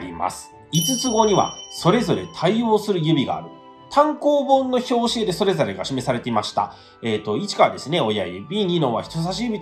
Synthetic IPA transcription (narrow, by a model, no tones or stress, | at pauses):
ɾʲḭma̰sɨ̥ | it͡sɨt͡sɨɡo̞ɲ̟iβa̰so̞ɾe̞zo̞ɾe̞t̪ʰaio̞ːsɨɾɯ̟jɯ̟bʲiɡa̰ːɾɯ̟ | t̪ʰãŋko̞ːbõ̞nːo̞ço̞ːɕied̪e̞so̞ɾe̞zo̞ɾe̞ɡaɕime̞saɾe̞t̪eimaɕi̥t̪a̰ | eːt̪o̞it͡ɕi̥kaad̪e̞sɨne̞o̞ja̰jbʲiːɲ̟inõ̞βa̰çi̥t̪os̬aɕ̬ijɯbʲit̪